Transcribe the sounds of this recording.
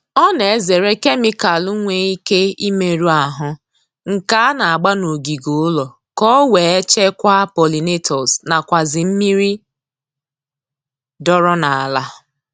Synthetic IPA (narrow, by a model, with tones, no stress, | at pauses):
ɔ˦ne˨e˦ze˨ɾe˦ke˦mɪ˦ka˨lu˦ŋʷe˦i˦ke˦i˦me˨ɾu˦a˨ɦʊ˦ | ŋ̩˨ka˦na˨a˨ɡ͡ba˦no˨ɡi˨ɡo˦lɔ˨ | kɔ˦we˨e˦t͡ʃe˦kʷa˦pɔ˨li˨ne˦tʰɔ˨sna˨kʷa˨zɪ˨m̩˦mi˦ɾi˦ | dɔ˦ɾɔ˦na˨a˨la˦˨